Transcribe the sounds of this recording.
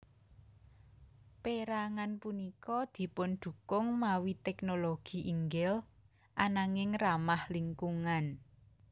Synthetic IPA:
peɾaŋanpunikɔd̪̥i̤pʊnd̪̥ṳkʊŋmawit̪ɛknoloɡ̥i̤ʔiŋɡɛl | ʔanaŋɪŋramahliŋkuŋan

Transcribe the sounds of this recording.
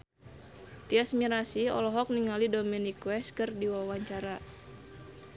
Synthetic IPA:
t̪iasmiɾasiɔ̰lɔɦɔk̚niŋalidomenikwɛskɨrdiwawaɲt͡ʃaɾa

